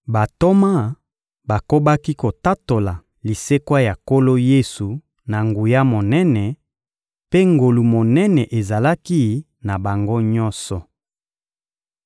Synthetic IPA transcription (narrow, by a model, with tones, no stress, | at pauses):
ba˨to˦ma˦ | ba˨ko˦ba˦ki˦ko˨ta˦to˨la˨ | li˨se˦kwa˦ja˨ko˦lo˦je˦su˨ | na˨ŋɡu˨ja˦mo˨nɛ˦nɛ˨ | pe˦ŋɡo˨lu˨mo˨nɛ˦nɛ˨ʔe˨za˨la˦ki˦ | na˨ba˨ŋɡo˦ɲɔ˦nsɔ˨